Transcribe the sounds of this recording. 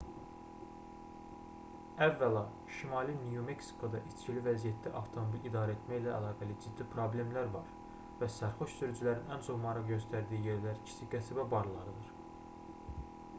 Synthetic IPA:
ævːælɑ | ʃimɑlˠinjumeksi̥kʰo̞d̪ɑʔit͡ʃcʰilivæzijæt̪d̪æʔɑft̪ʰo̞mobilid̪ɑːɾæe̞t̪mæjlæːlˠɑːɡælid͡ʒid̪ːipʰɾo̞blʲe̞mlæɾvɑɾ | væsæɾxoʃsyɾyd͡ʒylæɾinænt͡ʃʰo̞χmɑɾɑɣɟø̞st̪ʰæɾd̪iːije̞ɾlæɾcʰi̥t͡ʃʰiɡæsæbæbɑɾlˠɑɾɯd̪ɯɾ

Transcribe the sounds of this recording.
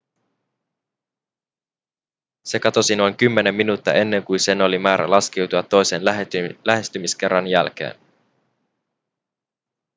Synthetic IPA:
se̞kɑt̪o̞sino̞jŋk̟ymːe̞ne̞mːinuːt̪ːɑ̰e̞nːe̞ŋkujnse̞no̞limæːɾæ̰lɑsk̟e̞wt̪uɑt̪ːo̞jse̞nlæɦe̞st̪ymisk̟e̞rːɑnjæ̰lk̟e̞̰ːn

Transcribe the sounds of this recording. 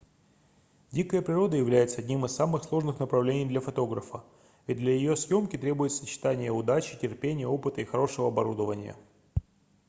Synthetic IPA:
dʲikəjəpɾʲɪɾo̞d̪əjɪvlʲæjɪt̪səɐdʲnʲimɨsːamɨxslˠo̞ʐnɨxnəpɾɐvlʲenʲɪjd̪lʲɐfɐt̪o̞ɡɾəfə | vʲɪd̪lʲəjɪjo̞sjo̞mkʲɪt̪ɾʲe̞bʊjɪt̪sət͡ɕɪ̥t̪anʲɪjəʊd̪at͡ɕɪ̥tʲɪrpʲenʲɪjəo̞pɨt̪əixɐɾo̞ʂɨvəɐbɐɾud̪əvənʲɪ̰jə̰

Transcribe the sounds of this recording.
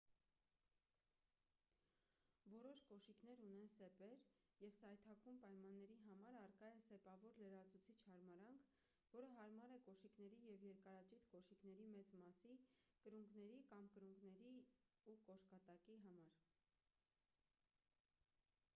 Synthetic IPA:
vɔɾɔʃkɔʃikn̪ɛɾun̪ɛnsɛpɛɾ | jɛvsɑjt̪ʰɑkumpɑjmɑnːɛɾiɦɑmɑɾɑrkɑjɛsɛpɑvɔɾləɾɑt͡sʰut͡sʰit͡ʃʰhɑɾmɑɾɑŋkʰ | vɔɾəɦɑɾmɑɾɛkɔʃiknɛɾijɛvjɛɾkɑɾɑt͡ʃit̪ʰkɔʃikn̪ɛɾimɛt͡smɑsikəɾuŋɡnɛɾikɑmkəɾuŋɡnɛɾiukɔʃkɑt̪ɑkiɦɑmɑɾ

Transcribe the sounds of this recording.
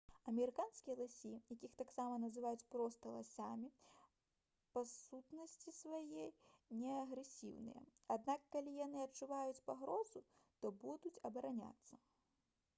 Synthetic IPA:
ɐmʲɛɾɨkanskʲijɐlˠasʲijakʲixt̪aksamɐnɐzɨvajut͡sʲpɾɔst̪ɐlˠasʲamʲi | pɐsut̪nɐsʲt͡sʲisvajɛnʲɛɐɣɾɛsʲḭwnɨ̰jɛ̰ad̪nakːalʲijanɨɐt͡ʂuvajut͡sʲpaɣɾɔzut̪ɔbud̪ut͡sʲɐbɐɾanʲa̰t̪sːɐ

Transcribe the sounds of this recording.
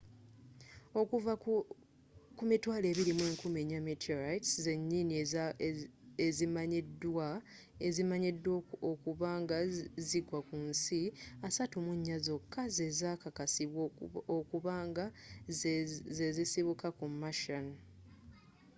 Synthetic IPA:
o̞kuva | kumitwaːle̞ːβiɾimwe̞ːŋkumeɲamitʰiɾajtsze̞ɲːini | ezimaɲedːwa | ezimaɲedːwookuβaːŋɡaziɡwakunsiasatumuɲːazo̞kːaze̞zaːkakasiβwookuβaːŋɡa | zezisiβukakumːaʃan

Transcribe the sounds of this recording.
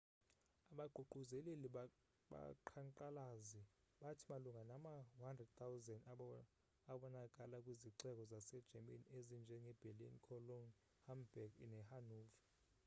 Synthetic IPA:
aɓaɡ͡ǃʱuɡ͡ǃʱuzɛleli | ɓa̰ǃʰaŋǃalazi | ɓatʰimaluŋɡanamaɦandrɛd̚t̪ʰawzɛnd | aɓɔnakʼalakʼwiziǀɛk̬ʼɔzasɛd̥ʒ̥ʱɛmḛniezind͡ʒʱɛŋɛb̥ʱelḭnkʰɔlon | hambɛɡ̰nɛhanuːv

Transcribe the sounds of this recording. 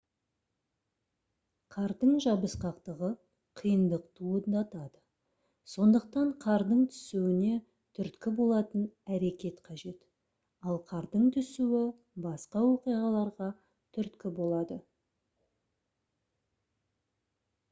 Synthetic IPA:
qʰɑɾd̪əɴʒɑbəsqɑqt̪əʁə | qʰijənd̪əqt̪ʰuəd̪ɑt̪ɑd̪ə | so̞nd̪əq̚t̪ɑɴqʰɑɾd̪əɴt̪ʰʏ̥suɪne̞ | t̪ʰʏɾt̪kʲɪbo̞lˠɑt̪ənæɾe̞kʲe̞t̪qʰɑʒe̞t̪ | ɑlˠqʰɑɾd̪əɴt̪ʰʏsuwɪ | bɑsqɑwo̞qijʁɑlˠɑɾʁɑ | t̪ʰʏɾt̪kʲɪbo̞lˠɑd̪ə

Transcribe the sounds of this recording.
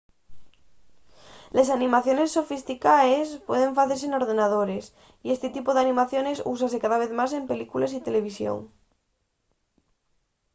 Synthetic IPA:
les̬anĩmaθjo̞ne̞sːo̞fist̪ikaespwe̞ð̞ẽ̞ɱfaθeɾs̬eno̞ɾðe̞nað̞o̞ɾes | ie̞st̪et̪ipoðeanĩmaθjo̞ne̞sṵs̬asekaðaβ̞eθmase̞mpe̞likulesit̪e̞le̞β̞isjo̰ŋ

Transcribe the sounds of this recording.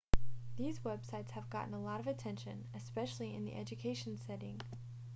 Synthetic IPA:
ðizwɛb̥saɪtshɨvɡɑ̰ʔn̩əlɔɾʌvɨtʰɛ̃nʃɨ̰̃nɨspɛʃl̩ˠiɨ̰̃nðḭʔɛd͡ʒɨkʰeɪʃn̩sɛɾɪ̃ŋ

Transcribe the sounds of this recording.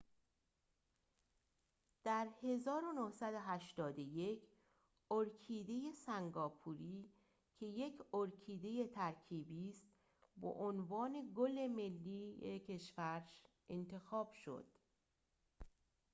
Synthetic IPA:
d̪̥æɾhe̞zɒːɾonohsæd̪oɦæʃt̪ɒːd̪oje̞cʰ | oɾkʰiːd̪e̞je̞sæŋɡɒːpʰuːɾiː | cʰe̞je̞kʰoɾkʰiːd̪e̞je̞t̪ʰæɾcʰiːbiːst̪ | bo̰ʔonvɒːne̞ɡole̞melːiːjecʰe̞ʃvæɾʃ | ʔe̞nt̪ʰe̞xɒːb̥ʃo̰d̪̥

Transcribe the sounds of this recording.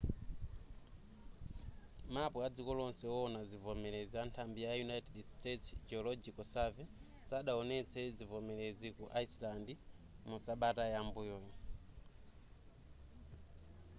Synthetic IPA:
mapɔad͡zikɔlɔnsɛɔɔnad͡zivɔmɛɾɛziantʰambijajunajtɛdstɛtsd͡ʒɛɔlɔd͡ʒikɔsavɛ | saɗaɔnɛt͡sʰɛd͡zivɔmɛlezikuʔaislandi | musaɓatajambujɔjɔ

